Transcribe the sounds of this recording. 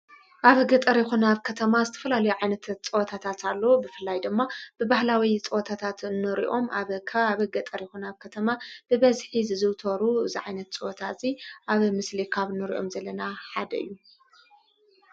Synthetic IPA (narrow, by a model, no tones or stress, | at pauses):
ʔaβɨɡɐt̪ʼɐɾjɛxunaβkʰɐt̪ʰɐmazɨt̪ʰɐ̥fɐlalɐjuʕajnɐt̪ʰt͡sʼɨwt̪ʰat̪ʰat̪alːo̞bɨfɨlːajd̪ɨmːab̥ɨbahlawit͡sʼɨwt̪ʰat̪ʰat̪ɨnːɨɾḭʔo̞mʔaβkʰɐβaβɨɡɐt̪ʼɐɾjɛxunaβkʰɐt̪ʰɐmab̥ɨβɐzħizɨzɨwt̪ʰɐɾuɨziʕajnɐt̪t͡sʼɨwot̪ʰaziʔaβmɨslikʰaβɨnːɨɾḭʔo̞̰mzɐlːɐnaħad̪ɐ̰ɨ̰jːu